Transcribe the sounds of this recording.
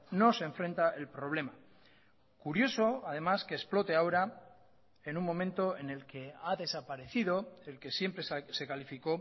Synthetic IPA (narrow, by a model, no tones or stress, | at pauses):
no̞se̞ɱfɾe̞nt̪aʔe̞lpɾo̞β̞le̞ma | kuɾjo̞so̞að̞e̞maskeːsplo̞t̪e̞aoɾa | enummõ̞mẽnt̪o̞e̞ne̞lke̞aðe̞sapaɾe̞θiðo̞e̞lke̞sje̞mpɾe̞sse̞kalifiko̞